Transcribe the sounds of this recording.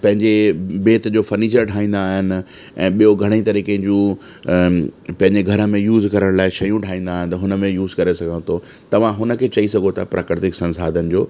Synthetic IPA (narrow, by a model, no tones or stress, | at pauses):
pɐ̃ɦɪ̃ɲd͡ʑebeːt̪d͡ʑoːfɐɾniːt͡ɕəɾʈʰaːĩːnd̪aːɦɪnɪ̆ | ɛ̃ːɓijoɡʱɐɽ̃it̪ɐɾiːkẽd͡ʑũ | pɐ̃ɦɪ̃ɲd͡ʑeɡʱɐɾə̆mẽjuːzkɐɾəɽ̃laːɪʃɐjũʈʰaːĩːnd̪aːɦɪnɪ̆t̪ɐɦʊnəmẽjuːzkɐɾesɐɡʱãt̪ʰo | t̪ɐʋ̤ãɦʊnə̆kʰeːt͡ɕɐisɐɡʱot̪ʰapɾʔaːkɾɪt̪ɪksɐ̃nsaːd̪ʱənɪ̆d͡ʑoː